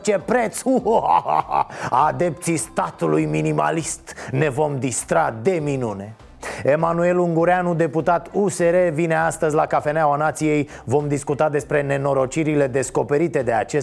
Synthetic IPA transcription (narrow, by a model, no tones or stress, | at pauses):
t͡ʃe̞pɾet̪su | ad̪e̞p̚t̪sist̪at̪ulujminima̰list̪ne̞vo̞md̪ist̪ɾad̪e̞minune̞ | e̞manue̞luŋɡuɾanud̪e̞put̪at̪use̞ɾe̞vine̞ast̪əzʲlakafe̞nawanat̪sije̞jvo̞md̪iskut̪ad̪espɾe̞ne̞no̞ɾo̞t͡ʃiɾile̞d̪e̞sko̞pe̞ɾit̪e̞d̪e̞at͡ʃe